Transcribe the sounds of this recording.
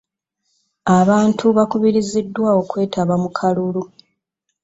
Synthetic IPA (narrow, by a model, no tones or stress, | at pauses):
aβaːntʰuβakuβiɾizidːwaːo̞kwe̞ːtaβamukʰalulu